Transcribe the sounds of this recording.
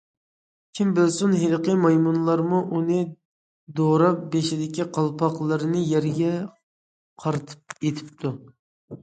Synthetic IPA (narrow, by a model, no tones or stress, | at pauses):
kʲʰimbɪlsunɦelqəmɑjmunlˠɑɾmuʔunɨ | d̪oɾɑp̚beʃɪd̪ɪkʲiqʰɑlˠpʰɑqlˠɨɾɨnɨjɛɾɡʲɛ | qʰɑɾt̪ʰɨ̥p̚et̪ʰɪ̥p̚t̪ʰu